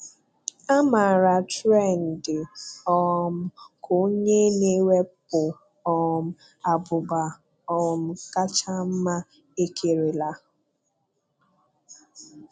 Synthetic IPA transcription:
a˦ma˨ɾa˨tɾe˦˨n̩˨dɪ˨ɔ˨m̩˨ko˦ɲe˦ne˦we˦pʊ˨ | ɔ˨m̩˨ | a˨bʊ˨ba˨ | ɔ˨m̩˨ka˦t͡ʃa˦m̩˦ma˦ | e˦kʰe˨ɾe˨la˨

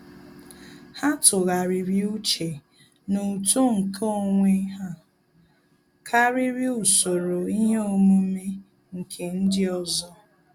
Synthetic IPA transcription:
ha˦tʊ˨ɣa˨ɾi˨ɾi˦u˦t͡ʃe˨ | nu˨to˦ŋ̩˨kʰo˦˨ŋʷe˦ɦa˦ | kʰa˦ɾi˦ɾi˦u˨so˨ɾo˨i˦ɦe˦o˦˨mu˦me˦ | ŋ̩˨kʰe˨n̩˦dɪ˦ɔ˨zɔ˦

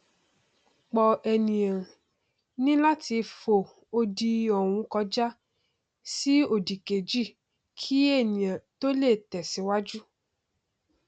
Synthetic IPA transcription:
k͡pɔ˨ɛ˨nĩ˨ã˨ | nĩ˦la˦ti˧fo˨ | o˧di˧ɔ˨w̃ũ˧kɔ˧˦d͡ʒa˦ | si˦o˦˨di˨ke˨d͡ʒi˦˨ | kʰi˦e˦˨nĩ˨ã˨to˦le˦˨tɛ˨si˨˦wa˦d͡ʒu˦

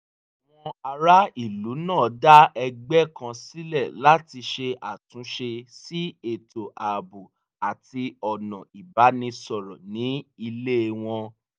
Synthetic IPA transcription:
a˨w̃ɔ̃˧a˧ɾa˦i˦˨lu˨˦nãː˦˨da˦ɛ˧ɡ͡bɛ˦kã˧si˦lɛ˦˨la˦ti˧ʃe˧a˨tũ˨˦ʃe˧si˦e˨to˨ʔa˨bu˨ | a˨ti˧ɔ˨nɔ̰̃˨i˨ba˨˦nĩ˧sɔ˨ɾɔ˨nĩ˨˦i˧le˦˨w̃ɔ̃˧

